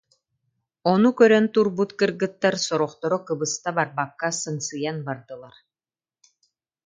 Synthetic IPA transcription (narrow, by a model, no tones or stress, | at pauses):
ɔnukœɾœnt̪uɾbut̪kɯɾɡɯt̪ːaɾsɔɾɔχt̪ɔɾɔkɯbɯst̪abaɾbakːasɯŋsɯjanbaɾd̪ɯlˠaɾ